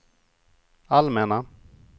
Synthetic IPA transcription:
almɛna

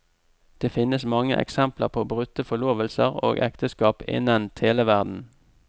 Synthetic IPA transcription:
d̪̥eːfɪnəsmɑŋəʔɛ̰ksɛmpləʁpʰoːbʁʉt̪əfɔɭoːʋəlsəʁo̰ːɡɛ̰kt̪əskɑːpɪ̰nənt̪ʰheːləʋæʁd̪n̩

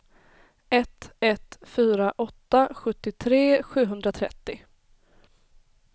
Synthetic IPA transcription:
ɛt̪ɛt̪fyːɾaʔɔt̪ːaɧɵt̪ːɪt̪ʰɾeːɧʉ̟ːɦɵnd̪ɾat̪ʰɾɛ̰t̪ːɪ

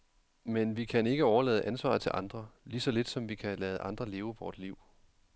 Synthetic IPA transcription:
menʋikʰæne̝ɡ̥əɒʊɐlɛ̰ːð̞̩ˠʔænsʋɑ̰̈ːð̩ˠt͡sʰe̝lʔɑ̈nd̥ʁɐliːsɒ̽le̝d̥sɒ̽mʋikʰælɛːðəʔɑ̈nd̥ʁɐle̝ːʊəʋɒːd̥liʊ̰

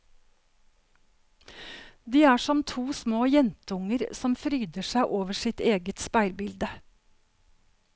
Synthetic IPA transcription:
d̪iːæːʃɔmt̪ʰuːsmoːjɛnt̪əʊŋəɾsɔmfɾyːd̪əʃæɪʔoːʋəʃɪt̪eːɡət̪spæɪlbɪld̪ə

